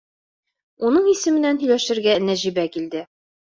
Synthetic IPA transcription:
unɤɴisɘ̆mɘ̆nænɦɵ̆jlæʃɘ̆ɾɡænæʑibækild̪ɘ

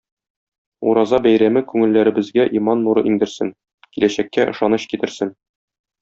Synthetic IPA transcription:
ṵɾɑzɑbæjɾæmɘkʉŋɘ̆lːæɾɘ̆bɘ̆zɡæʔimɑnːuɾɤʔiŋd̪ɘ̆ɾsɘŋ | kilæɕækːæʔɤ̆ʃɑnɤɕkit̪ɘ̆ɾsɘn

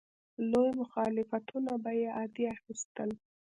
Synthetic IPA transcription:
lojmʊxɑlɪfat̪unabajeʔɑd̪iaxist̪əl

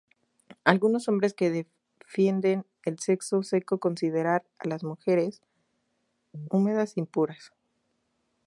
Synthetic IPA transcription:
alɣuno̞sõ̞mbɾeske̞ðe | fje̞nd̪e̞n | else̞ksose̞ko̞ko̞nsið̞e̞ɾaɾ | a̰lazmuxe̞ɾe̞s | ume̞ð̞asimpuɾas

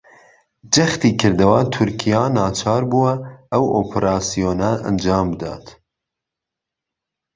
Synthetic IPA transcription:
d͡ʒɐxt̪iːkʰɨɾd̪ɐwat̪ʰʊɾkʰijaːnɑːt͡ʃʰɑːɾbuːwɐʔɐwʔoːpʰɾɑːsijoːnaʔɐ̰nd͡ʒɑːmbɨd̪ɑ̰ːt̪

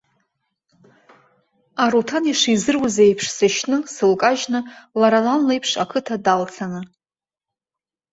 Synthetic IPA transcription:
aɾutʰaniʂizɨrwazejpʰʂsɨʃnɨsɨlkʼaʒnɨlaɾalanlejpʰʂa̰kʰɨtʰadalt͡sʰanɨ

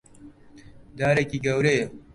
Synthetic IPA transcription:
d̪aːɾekiɡɐwɾeː

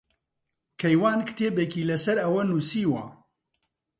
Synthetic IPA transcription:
kʰɐjwaːnkɨ̥t̪ʰeːbekiːlɐsɐɾɐwɐnuːsiːwɐ

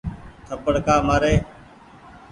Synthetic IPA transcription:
t̪ʰəpəɽkaːmaːɾeː

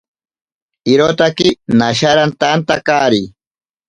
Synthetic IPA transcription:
ɪɾot̪akɪnaʃaɾant̪ant̪akaɾi

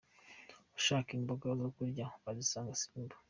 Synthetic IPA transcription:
uʃaːkimboɡazokuɾɟaβazisaːŋɡasi̥ːmbḁ

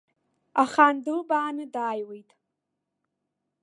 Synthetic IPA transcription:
aχandɨlbaːnɨdaːjwejtʼ

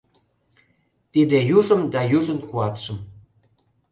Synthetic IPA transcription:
t̪id̪ejuʒə̆md̪ɑjuʒə̆nkuɑt̪ʃə̆m

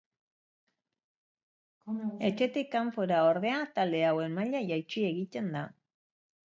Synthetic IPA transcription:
e̞t͡ʃe̞t̪ikaɱfoɾao̞ɾðe̞at̪ald̪e̞awe̞nmaʎajajt͡ʃie̞ɣit̪e̞nd̪a

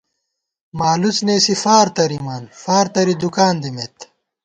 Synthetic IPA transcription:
maːlut͡sneːsifaːɾt̪ɐɾimaːnfaːɾt̪ɐɾid̪ukaːnd̪imet̪

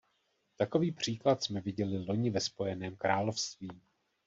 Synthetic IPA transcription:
t̪ako̞viːpr̝̥iːklat̪smɛvɪɟɛlɪlo̞ɲɪvɛspo̞jɛnɛːmkɾaːlo̞fst̪viː

